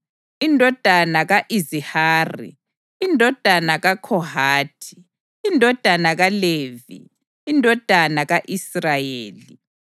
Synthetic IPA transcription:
indʱɔd̥ʱanaɣaʔizihaːrḭ | indʱɔd̥ʱanaɣakʰɔhaːtʰi̥ | indʱɔd̥ʱanaɣaleːvḭː | ndʱɔd̥ʱanaɣaʔisrajeːli

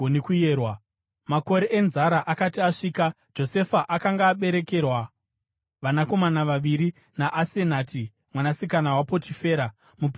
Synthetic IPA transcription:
onekujeːrwa | mako̞ɾe̞ʔenzaɾaʔakatiaʂiːka | d͡ʒo̞se̞faʔakaŋɡaːɓe̞ɾe̞ke̞rwa | ʋanako̞manaʋaʋiɾi | naʔasenaːti | mwanasikanawapo̞tʰife̞ːɾa | mup

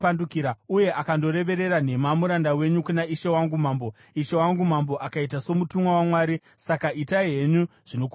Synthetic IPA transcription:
andukiɾauje̞ʔakando̞ɾe̞ʋe̞ɾe̞ɾan̤e̞mamuɾandawe̞ɲukunaiʃe̞waŋɡumaːmbo | iʃe̞waŋɡumambo̞ʔakaitaso̞mutumwawamwaːɾi | sakaitaiɦe̞ɲuʐ̥ino̞ku

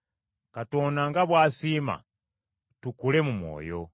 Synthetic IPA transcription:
kato̞naŋɡaβwaːsima̰ | tukule̞mumwo̰ːjo̞̰

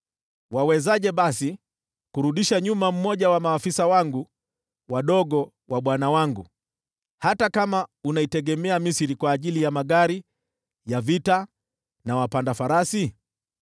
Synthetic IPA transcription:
wawɛzaʄɛɓasi | kuɾuɗiʃaɲumam̩mːɔʄawamaːfisawaŋɡu | waɗɔɡɔ | waɓwanawaŋɡṵ | hatakamaunaitɛɠɛmɛamisiɾikwaːʄilijamaɠaɾi | javita | nawapandafaɾasi

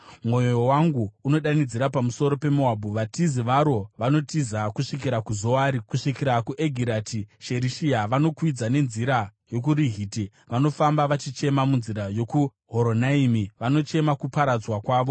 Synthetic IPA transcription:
mwo̞jo̞waŋɡuːno̞ɗanid͡ziɾapamuso̞ɾo̞pe̞muɦabʱuʋatiziʋaɾo̞ʋano̞tizakuʂik̬iɾakuzo̞waːɾikuʂikiɾakuʔeɡʱiɾatʰiʃe̞ɾiʃiaʋano̞kwid͡zane̞nziɾajo̞k̬uɾiɦiːti | ʋano̞fambaʋat͡ʃit͡ʃe̞mamunziɾajo̞ku | ɦoɾo̞naimiʋano̞t͡ʃe̞makupaɾad͡zwakwaːʋo̞

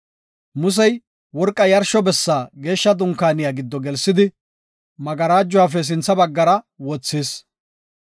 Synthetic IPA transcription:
mʊs̬ɛj | wɔɾkʼːɐjɐɾʃɔbɛsːaːɡe̞ːʃːɐd̪ʊŋkːaːnɪjaɡɪd̪ːɔɡɛlsːɪd̪ɪ | mɐɡɐɾaːd͡ʒːʊwaːf̬ɛs̬ɪnt͡sːɐbɐɡːɐɾɐ | wɔt͡sːiːs

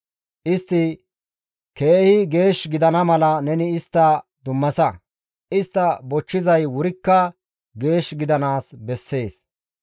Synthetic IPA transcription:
ʔɪst̪ːɪ | ke̞ːhɪɡe̞ːʃɡɪd̪ɐnɐmɐlɐnɛnɪɪst̪ːɐd̪ʊmːɐsɐ | ʔɪst̪ːɐbɔt͡ʃːɪzɐjwʊɾɪkːɐ | ɡe̞ːʃɡɪd̪ɐnaːsbɛsːe̞ːs

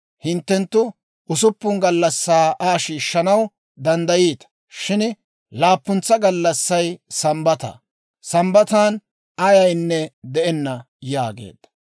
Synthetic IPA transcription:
hɪnt̪ːɛnt̪ːʊ | ʊsʊpːʊnŋɡɐlːɐsːaːʔaːʃiːʃːɐnɐw | d̪ɐnd̪ɐjiːt̪ɐ̥ | ʃɪn | laːpːʊnt͡sːɐɡɐlːɐsːɐjsɐmbɐt̪ɐ̰ | sɐmbɐt̪aːn | ɐjɐjnːɛd̪ɛʔɛnːɐ | jaːɡḛːd̪ːɐ̥

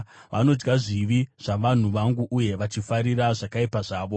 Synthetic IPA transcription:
ʋano̞d͡ʒɡaʐiʋiʐ̥aʋan̤uʋaŋɡuʔuje̞ʋat͡ʃifaɾiɾaʐakaipaʐaːʋo̞

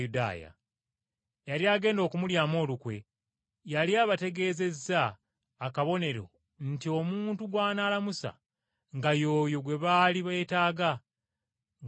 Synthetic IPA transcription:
uda̰ːja̰ | jaliaːɡe̞ːndo̞ːkumuljaːmo̞ːlukwe̞̰ | jaliaːβate̞ɡe̞ːze̞zːaː | kaβo̞ne̞ɾo̞̰ | n̩tio̞muːntuɡwaːnaːlamusa̰ | ŋɡajo̞ːjo̞ɡwe̞βaːliβetaːɡa

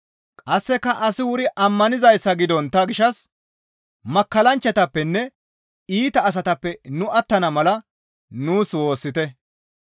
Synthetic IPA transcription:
kʼɐsːɛkːɐʔɐsɪwʊɾɪʔɐmːɐnɪzɐjsːɐɡɪd̪ɔnt̪ːɐɡɪʃɐs | mɐkːɐlɐnt͡ʃːɐt̪ɐpːɛnːɛ | iːt̪ɐːs̬ɐt̪ɐpːɛnʊʔɐt̪ːɐnɐmɐlɐ | nuːswo̞ːsːɪt̪ɛ

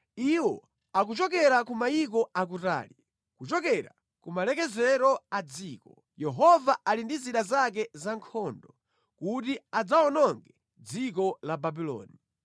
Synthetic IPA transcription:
iwɔ | akut͡ʃɔkɛɾakumaik̬ɔak̬uta̰ːli | kut͡ʃɔkɛɾa̰ | kumalɛkɛzɛɾɔad͡ziːkɔ | jɛɦɔvaʔalindiziɗazak̬ɛzaŋkʰɔːndɔ | kutiad͡zaɔnɔŋɡɛ | d͡zikɔlababilɔ̰ːni

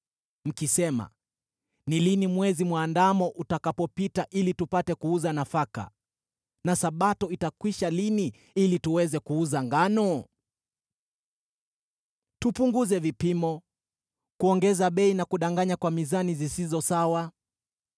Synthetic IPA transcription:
m̩kisɛma̰ | nilinimwɛzimwaːndamɔʔutakapɔpitaʔilitupatɛkuuzanafaka̰ | nasaɓatɔitakwiʃalini | ilituwɛzɛkuuzaŋɡanɔ | tupuŋɡuzɛvipimɔ | kuɔŋɡɛzaɓɛinakuɗaŋɡaɲakwamizanizisizɔsawa

